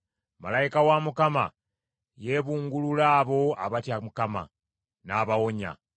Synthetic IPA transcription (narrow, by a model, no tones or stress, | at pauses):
ma̰lajikawamukama̰ | jeːβuːŋɡululaːβo̞a̰βatjamukama̰ | naːβawo̞ɲa̰